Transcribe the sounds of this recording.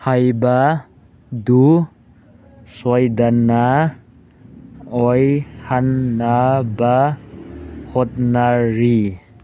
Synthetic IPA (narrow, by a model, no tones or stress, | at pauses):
hajba | du | sɔjdana | ɔjhanːaba | hɔt̚naɾi